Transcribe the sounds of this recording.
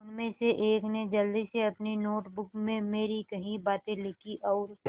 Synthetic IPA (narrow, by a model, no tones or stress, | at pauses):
ʊnmẽseʔeːkned͡ʒɐld̪iseɐpninoːʈbʊkmẽmeːɾikɐɦĩbaːt̪ẽlɪkʰiʔɔːɾ